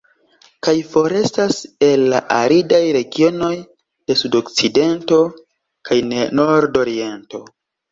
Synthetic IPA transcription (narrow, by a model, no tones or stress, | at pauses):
kajfo̞ɾe̞stase̞lːa̰ʔaɾidajɾe̞ɡio̞no̞j | d̥e̞sudo̞kt͡side̞nto̞ | kajneno̞ɾdo̞ɾie̞nto̞